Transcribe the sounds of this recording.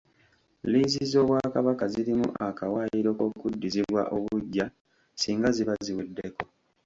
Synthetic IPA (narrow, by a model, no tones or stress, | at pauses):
lizizo̞βwakaβakaziɾimṵʔakawaːjiɾo̞kokudːiziβwa̰ʔo̞βuɟːa | siːŋɡaziβaziwedːeko̞